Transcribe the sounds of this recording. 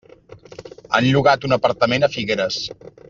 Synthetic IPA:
a̰nʎuɣ̞at̪unəpəɾt̪əmenəfiɣeɾəs

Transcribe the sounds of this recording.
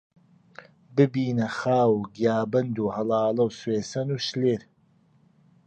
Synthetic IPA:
bɨbiːnɐxaːwɡijaːbɐnd̪uːhɐlɑːlɐwsweːsɐnuːʃleːɾ

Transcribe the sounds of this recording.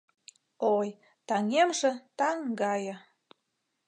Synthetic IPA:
oj | t̪ɑŋemʒĕt̪ɑŋɡɑjɤ̆

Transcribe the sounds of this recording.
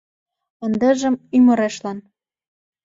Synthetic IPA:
ə̆nd̪ə̆ʒə̆mymɤ̆ɾeʃlɑn

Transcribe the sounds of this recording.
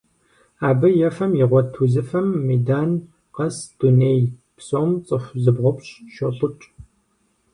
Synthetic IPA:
aːbɨjɛfɐmjɪʁʷɔtʰuzɨfɐmːejdaːn | qɐsd̥uneːj | psoːmt͡sʼɨfʷzɨbʁʷʊpɕʃoɬʼɨt͡ʃʼ

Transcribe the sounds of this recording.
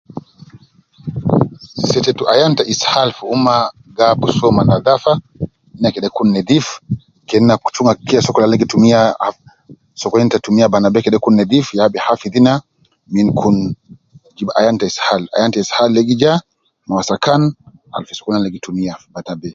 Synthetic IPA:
sɛtɛtuʔajantaʔishalfuuma | ɡabusɔmanaðafa | ninakɛɗɛkunːɛdif | kɛnːaku̥t͡ʃuŋɡakiasɔkɔlalɛɡitumia | sɔkɔɛntatumiabanabɛkɛɗɛkunːɛdifjabihafiðina | minkʰun | d͡ʒibaʔa̰jantaishala̰jantaishallɛɡid͡ʒa | mawasakan | a̰lfiskunalɛɡitumiabanabɛ

